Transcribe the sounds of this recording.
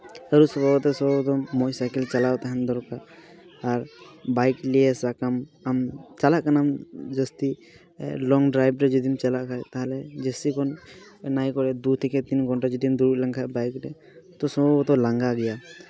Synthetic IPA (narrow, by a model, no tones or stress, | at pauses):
əɾusɔbabɔt̪ɛsɔbɔbt̪ɔmɔjsajkɛlt͡ʃalawt̪aɦɛnd̪ɔɾkaɾː | ɾbajklijɛsakamamt͡ʃalaʔkanamd͡ʒəst̪ḭ | lɔŋɡɖɾajbɾɛd͡ʒɔd̪imt͡ʃalaʔkʰajt̪aɦlɛd͡ʒɛsikɔn | najkɔɾɛd̪ut̪ʰikɛt̪inɡʱɔɳʈad͡ʒɔd̪imd̪uɾulaŋkʰabajkɾɛ | t̪ɔsɔbɔbɔt̪ɔlaŋɡaɡɛja